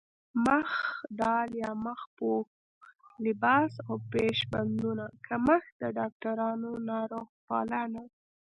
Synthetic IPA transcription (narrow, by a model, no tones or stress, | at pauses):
məxd̪ɑljɑməxpok | lɪbɑsawpeʃband̪unakʰaməxd̪əɖɑk̚ʈaɾɑnonɑɾoɣpɑlɑna